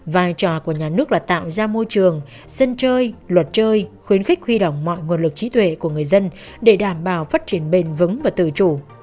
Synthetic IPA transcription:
vaː˧jt͡ɕɔ˧˩ku˧˩əɲaː˨˩nɨ˦˥ək̚laː˨˩t̪a̰ː˧˨wzaː˧mo˧jt͡ɕɨ˨˩əŋ | sə˧nt͡ɕəː˧jlwə˨˩t̚t͡ɕəː˧jxwi˨˦ənxɪ˦˥k̟̚hwi˧ɗə̰˧˨wŋ͡mmɔ̰˧˨jŋu˨˩ənlɨ˨˩k̚t͡ɕi˨˦t̪ʰwḛ˧˨ku˧˩əŋɨ˨˩əjzə˧n | ɗe˧˩ɗaː˧˩mɓaː˨˩wfaː˦˥t̚t͡ɕi˧˩ənɓe˧˩nvɨ˨˦ŋvaː˨˩t̪ɨ̰˧˩t͡ɕu˧˩

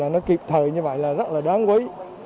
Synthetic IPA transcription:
aː˨˩nɔ˨˦ki˨˩p̚t̪ʰəː˨˩jɲɨ˧və̰˧˨jlaː˨˩zə˦˥t̚laː˨˩ɗaː˨˦nkwə˨˦j

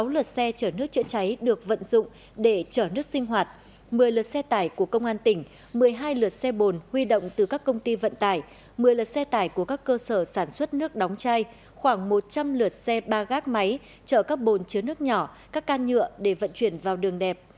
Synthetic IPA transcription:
sa˨˦wlɨ˨˩ət̚sɛ˧t͡ɕəː˧˩nɨ˦˥ək̚t͡ɕə̰˧˥t͡ɕa˨˦jɗɨ˨˩ək̚və̰˧˨nzʊ̰˧˨ŋ͡m | ɗe˧˩t͡ɕəː˧˩nɨ˦˥ək̚sï˧ŋ̟ɦwaː˨˩t̚ | mɨ˨˩əjlɨ˨˩ət̚sɛ˧t̪aː˧˩jku˧˩əkə˧wŋ͡mʔaː˧nt̪ï˧˩ŋ̟ | mɨ˨˩əjɦaː˧jlɨ˨˩ət̚sɛ˧ɓo˨˩nhwi˧ɗo̰˧˨wŋ͡mt̪ɨ˨˩kaː˦˥kːə˧wŋ͡mt̪i˧və̰˧˨nt̪aː˧˩j | mɨ˨˩əjlɨː˨˩t̚sɛ˧t̪aː˧˩jku˧˩əkaː˦˥kːəː˧səː˧˩saː˧˩nswə˦˥t̚nɨ˦˥ək̚ɗɔ˨˦wŋ͡mt͡ɕaː˧j | xwaː˧˩ŋmo˨˩t̚t͡ɕa˧mlɨ˨˩ət̚sɛ˧ɓaː˧ɣaː˦˥k̚ma˨˦j | t͡ɕəː˧˩kaː˦˥k̚ɓo˨˩nt͡ɕɨ˨˦nɨ˦˥ək̚ɲɔ˧˩kaː˦˥kːaː˧nɲɨ̰˧˨əɗe˧˩və̰˧˨nt͡ɕwi˧˩ənvaː˨˩wɗɨ˨˩əŋɗɛ˨˩p̚

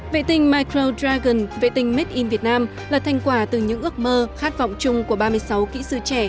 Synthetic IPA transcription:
vḛ˧˨t̪ï˨˩ŋ̟maː˧jkɾo˧dɾaː˧ɣə˨˩nvḛ˧˨t̪ï˨˩ŋ̟me˦˥t̚ʔi˧nvi˨˩ət̚naː˧m | laː˨˩t̪ʰa˧jŋ̟kwaː˧˩t̪ɨ˨˩ɲɨ̰˧˥ŋʔɨ˦˥ək̚məː˧xaː˦˥t̚vɔ̰˧˨wŋ͡mt͡ɕʊ˧ŋ͡mku˧˩əɓaː˧mɨ˧əjsa˨˦wkḭ˧˥sɨ˧t͡ɕɛ˧˩

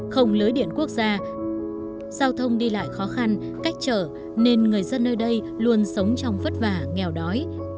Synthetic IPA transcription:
xə˧wŋ͡mlɨː˨˦jɗḭ˧˨ənku˦˥ək̚zaː˧ | z̥aː˧wt̪ʰə˧wŋ͡mɗi˧la̰ː˧˨jxɔ˨˦xa˧n | ka˦˥jk̟̚t͡ɕəː˧˩ | ne˧nŋɨ˨˩əjzə˧nːəː˧jɗə˧j | lu˧ənsə˨˦wŋ͡mt͡ɕɔ˧wŋ͡mfə˦˥t̚vaː˧˩ŋɛ˨˩wɗɔ˨˦j

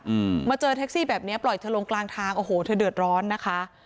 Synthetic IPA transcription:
ʔɯː˨˧maː˧t͡ɕɤː˧t̪ʰɛ˦˥k̚siː˥˩bɛː˨˩p̚ni˦˥ɐplɔ˨˩jt̪ʰɯ˧lo˧ŋklaː˧ŋt̪ʰaː˧ŋʔoː˧˩hoː˨˩t̪ʰɯː˧˩dɯ˨˩ət̪̚ɾɔː˦˥nːa˦˥kʰa˦˥ʔ

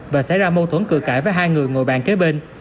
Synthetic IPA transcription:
vaː˨˩sa̰˧˥jzaː˧mo˧t̪ʰo˧˩˦nkɨ̰˧˨əkaː˧˩jvaː˨˦jɦaː˧jŋɨ˨˩əjŋo̰˨˩jɓa̰ː˧˨nke˨˥ɓe˧n

